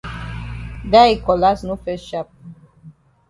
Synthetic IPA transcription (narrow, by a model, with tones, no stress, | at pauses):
d̪a˦i˨kɔ˨la˦snu˦fe˦sʃa˦p̚